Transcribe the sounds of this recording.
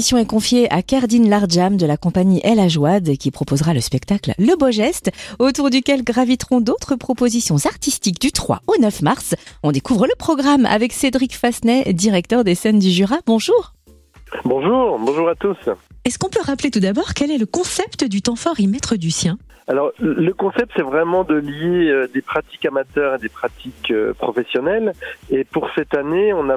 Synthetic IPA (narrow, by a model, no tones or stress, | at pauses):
isjɔ̃ɛkɔ̃fjeʔa̰kaʁd̪inlaʁʒamd̪əlakɔ̃paɲiʔɛlaʒwad̪kʲipχɔpozʁaləspɛkt̪aklləboʒɛst̪ot̪uʁd̪ykʲɛlɡʁavit̪χɔ̃d̪ot̪χəpχɔpozisjɔ̃zaʁt̪ist̪ikd̪yt̪χwa̰onœfmaʁsɔ̃d̪ekuvʁələpχɔɡʁama̰vɛksed̪ʁikfasnɛd̪iʁɛk̚t̪œʁd̪esɛnd̪yʒyʁabɔ̃ʒuːʁ | bɔ̃ʒuːʁbɔ̃ʒuʁat̪usɛskɔ̃pøʁaplet̪ud̪abɔʁkɛlɛləkɔ̃sɛpt̪əd̪yt̪ɑ̃fɔʁimɛt̪χəd̪ysjɛ̃ | alɔʁləkɔ̃sɛp̚t̪sɛvʁɛmɑ̃d̪əljeød̪epχat̪i̥kamat̪œʁed̪epχat̪ʰikø̰pχɔfɛsjɔnɛlepuʁsɛt̪aneɔ̃na